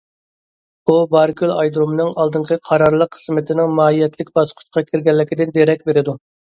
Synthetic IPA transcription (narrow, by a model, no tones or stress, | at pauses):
bubɑɾkʲʰylɑjd̪ɾomnɨŋɑlˠd̪ɨɴqʰəqʰɑɾɑɾlˠəqʰːə̥smɪt̪ʰɪnɪŋmɑːijɛt̪ʰlɪkʲbɑsqʰʊ̥t͡ʃ̪qʰɑkʲʰiɾɡʲɛlːɪkʲid̪ɪnd̪eɾɛkʲbeɾɪd̪u